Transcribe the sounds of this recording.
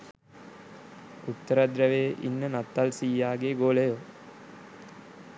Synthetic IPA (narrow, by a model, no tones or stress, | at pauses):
ut̪ːəɾad̪ɾəʋeːʔḭnːənat̪ːalsiːjaːɡeɡoːlejo